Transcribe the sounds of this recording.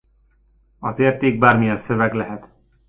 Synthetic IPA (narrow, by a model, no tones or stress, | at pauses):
ɒzeːrt̪eːɡ̚baːrmijɛnsøvɛɡlɛɦɛt̪